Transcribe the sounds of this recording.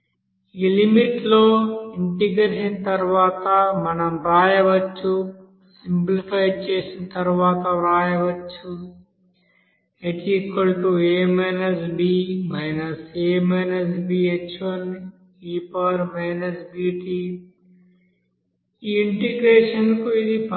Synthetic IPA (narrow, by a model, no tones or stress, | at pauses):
iːlimiʈloːiɳʈiɡɾeɾʃinɐt̪ɐɾuʋaːt̪ɐmɐnɐmɾaːjɐʋɐt͡ʃːu | simplipajɖt͡ʃeːsinɐt̪ɐɾuʋaːt̪ɐɾaːjɐʋɐt͡ʃːu | et͡ʃikːɐlʈueːmenɐsbiːmɐjnɐseːmɐnɐs̬biːet͡ʃʋɐn | iːpɐɾmejnɐsbiːʈi | iːiɳʈiɡɾeːʂɐnkuid̪ip